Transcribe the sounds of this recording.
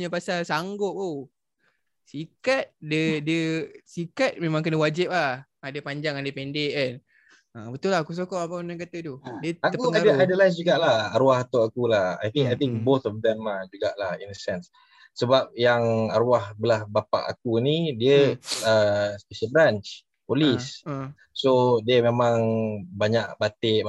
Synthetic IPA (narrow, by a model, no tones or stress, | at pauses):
ɲəpasalsaŋɡʊp̚o | sikat̪̚dədəsikat̪̚mẽmãŋkənəwad͡ʒɪp̚lah | adəpaɲd͡ʒaŋadəpɛndeʔan | əbət̪ulahakus̬okɔʔapanaŋk̬at̪ət̪udiət̪ak̪əkuəŋaadəajdəlas̬d͡ʒuɡaʔlahaɾuahat̪aakulaha̰jt̪ĩŋkajt̪ĩŋk̚bot̪ɔfd̪ɛmad͡ʒuɡaʔlahinəsɛ̃nsː | əbap̚jaŋaɾuahbəlahbapa̰ʔa̰k̚unidiəəspɛʃəlbɾant͡ʃ | polis | sodiəmẽmãŋbaɲaʔbat̪eʔ